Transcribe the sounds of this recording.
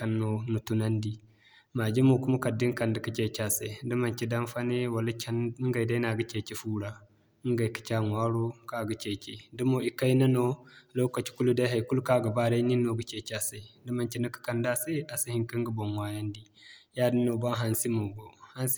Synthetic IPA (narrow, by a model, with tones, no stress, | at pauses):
ka˨nːo˨nu˨tu˨na˦ndi˦ | ma˨d͡ʒi˦mo˨ku˦ma˦ka˨dːi˦ŋka˨ndə˨ki˦t͡ʃe˨t͡ʃa˦sa˨i˨də˦ma˨nt͡ʃi˦da˦nfa˦ne˦wa˨la˦t͡ʃa˦n˦ɡa˨jda˦na˨ɡə˦t͡ʃe˨t͡ʃe˦fu˦ɾa˨˦ | ŋɡa˨jki̥˦t͡ʃa˦ŋ˨a˦ɾo˦ka˦˨ɡə˨t͡ʃe˨t͡ʃe˨du˦mo˨i˨ka˦jna˦no˦lo˦wka˨t͡ʃi̥˨ku˦lu˦da˦ɦa˨jku˦lka˦˨ɡa˨ba˦ɾa˦i˦ni˦nːo˨ɡə˨t͡ʃe˨t͡ʃa˦˨sa˨i˨də˦ma˨nt͡ʃi˦na˦kə̥˦ka˨nda˦se˦a˨si˦hi˨ŋkə˦ŋɡə˦bo˨mwa˨˦ja˦ndi˦ | ja˦də˦no˨ba˦nɦa˨nsi˦mo˨ɡo˨ha˦ns